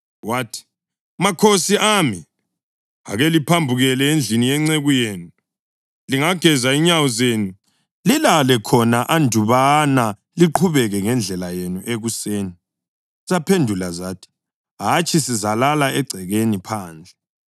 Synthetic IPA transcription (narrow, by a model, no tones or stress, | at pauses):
waːtʰi̥ | makʰosiami | a̰ɣelipʰambʱuɣɛlɛend͡ɮʱinijɛŋ͡ǀeɣujeːnu | liŋaɡ̥ʱɛzaiɲawɔzeːnu | lilalɛkʰɔnaʔandʱuβana | liǃʰuβɛɣɛŋɛnd͡ɮʱɛlajenuʔeɣuseːni | zapʰendʱulazaːtʰi̥ | ɦat͡ʃʰisizalalaɛɡ͡ǀʱɛɣenipʰaːnd͡ɮʱɛ